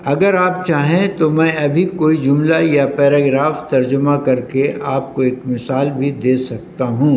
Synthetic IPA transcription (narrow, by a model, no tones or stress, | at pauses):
ɐɡəɾaːpt͡ʃaːɦẽt̪omɛ̃ːɐbʱikoːid͡ʒʊmlajapɛːɾaːɡɾaːft̪ɐɾd͡ʒʊmakɐɾkeaːp̚koeːkmɪsaːlbʱid̪eːsɐk̚t̪aɦũː